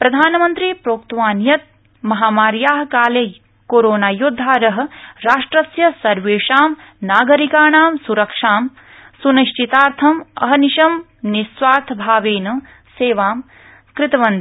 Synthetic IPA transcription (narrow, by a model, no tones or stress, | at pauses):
pɾɐd̪ʱaːnɐmɐnt̪ɾipɾoːk̚t̪ʋaːnjɐt̪̚ | mɐɦaːmaːɾjaːɦkaːlej | koːɾoːnaːjud̪ʱːaːɾɐɦɐ̆ɾaːʂʈɾɐsjɐsɐɾʋeːʂaːm | naːɡɐɾikaːɳaːmsuɾɐkʂaːm | suniʃʈit̪aːɾt̪ʰɐmɐ̰ɦɐniʃɐm | nisʋaːɾt̪ʰɐbʱaːʋeːnɐ | seːʋaːm | kɾɪt̪ɐʋɐnd̪i